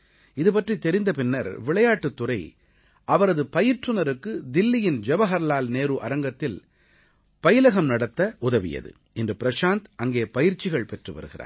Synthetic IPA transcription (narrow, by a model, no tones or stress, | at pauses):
ɪðɯpɐʈrit̪ːɛɾɪnd̪ɐpɪnːɐɾʋɪɭɐjaːʈːɯt̪ːʊrɐɪ | ʔɐʋɐɾɐðɯpɐjɪɾʈrɯnɐɾɯkːɯd̪ɪlːɪjɪnd͡ʒɛbɐɣɐɾɐlaːlneːɾɯʔɐɾɐŋɡɐt̪ːɪl | pɐjɪlɐɣɐmnɐɽɐt̪ːɐʊðɐʋɪ̰jɐ̰ðɯ̰ | ɪndrɯpɪɾɐʂaːnt̪ɐŋɡeːpɐjɪɾt͡ʃːɪɣɐɭpɛʈrɯʋɐ̰ɾɯɣɪɾa̰ːɾ